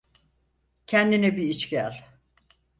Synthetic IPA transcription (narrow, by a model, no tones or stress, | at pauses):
cʰɛnd̪inɛbiit͡ʃcælʲ